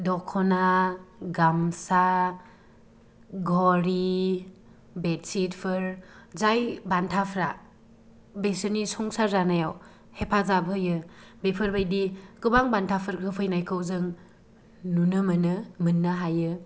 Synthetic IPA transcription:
dɔkʰːɔnaɡamsa | ɡʱɔɾi | betsitpʰɯɾzajbantʰapʰɾa | besɯnisɔŋsaɾzanajaw | hepʰazabɯjɯbepʰɯɾbajdikɯbaŋbantʰapʰɯɾkʰɯpʰɯjnajkʰɯwzɯŋ | nunɯmɯnɯmɯnːaɦajɯ

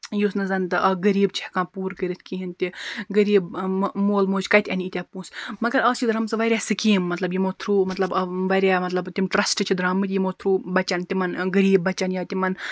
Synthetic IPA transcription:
jusnɐzɐnt̪ɨʔɐɡɐɾiːb̚t͡ʃʰi̥hkãːpuːɾkəɾit̪ʰkiːɦint̪iɡɐɾiːbmoːlmoːt͡ʃkɐjt̪ʲɐniit̪ʲaːpũːsmɐɡɐɾɐːst͡ʃʰid̪ɾɐmsɨʋɐɾʲjaːsɨkiːmːɐt̪lɐbjimoːt̪ʰɾuːmɐt̪lɐbʋɐɾʲjaːmɐt̪lɐbt̪imʈɾɐsʈɨt͡ʃʰid̪ɾaːmɨt̪ʲjimoːt̪ʰɾuːbɐt͡ʃɐnt̪imɐnɡɐɾiːbːɐt͡ʃɐnjaːt̪imɐn

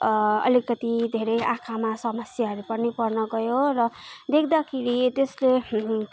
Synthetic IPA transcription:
ʌ̰likʌt̪id̪ʱeɾʌjãkʰamasʌmʌsjaɦʌɾupʌnipʌrnʌɡʌjorʌd̪ekʰd̪akʰeɾit̪esle

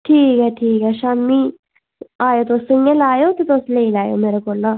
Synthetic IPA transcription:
ʈʰiːkɛʈʰiːkɛʃami | aːjot̪osəŋɡelaːjot̪it̪osleilaːjo̰meɾokola

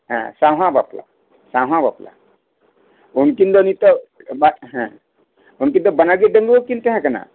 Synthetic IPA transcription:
ɦã̰sãɦãbapla̰ | sãɦãbapla̰ | unkind̪ɔnit̪ɔbaɦã | unkind̪ɔbənaɡeɖəŋɡokint̪eɦãkəna̰

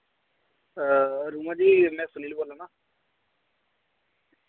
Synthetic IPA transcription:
ɾuːmãd͡ʒimɛ̃ːsʊniliboːlːanaː

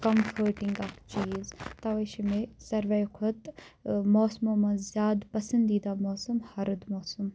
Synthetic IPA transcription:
kɐmfʰəɾʈiŋɡɐkt͡ʃiːzt̪ɐʋɐʃimesɐɾʋɐjkʰot̪moːsmoːmɐzʲjaːd̪pɐsɐnd̪iːd̪aːmoːsɐmhɐɾɨd̪moːsɐm

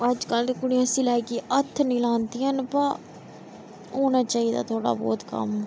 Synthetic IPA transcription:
əd͡ʒkəlkʊɽiãːsĩːlɛːkeːʔət̪ʰːnĩːlãːnt̪iːənpə | oːnaːt͡ʃaːiːd̪a̰ːt̪ʰoːɽa̰ːbɔ̰ːt̪kə̰m

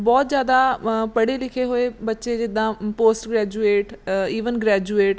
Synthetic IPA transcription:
bɔːt̪zjaːd̪apəɽelɪkʰeɦoːeːbətːʃed͡ʒɪd̪ãːpoːsʈɡɾɛːd͡ʒueːʈiːʋənɡɾɛːd͡ʒueːʈ

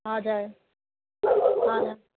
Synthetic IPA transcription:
ɦãːd͡ʒaː | ɦãːd͡ʒa

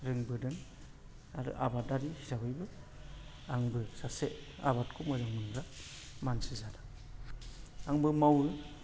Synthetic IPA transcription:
ɾɯŋbɯdɯŋ | aɾɯ̰ʔabat̚daɾihizabɯjbɯ | aŋbɯsaseʔ | a̰βat̚kʰumɯzaŋmɯŋɡɾa | mansɯzadḁ | aŋbɯmawɯ

